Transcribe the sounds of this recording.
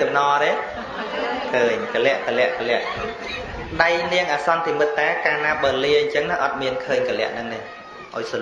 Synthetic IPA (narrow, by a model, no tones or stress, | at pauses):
ɑmnɑːɾeː | kʰəːɲkəlɛ̆əʔkəlɛ̆əʔkəlɛ̆əʔ | ɗajniəŋʔaːsɑnt̪ʰimɨt̪ːaɛkaːnaːɓəːliəɲt͡ɕəŋnaʔɑt̪̚miənkʰəːɲkəlɛ̆əʔnɨŋneː | ʔaɔjs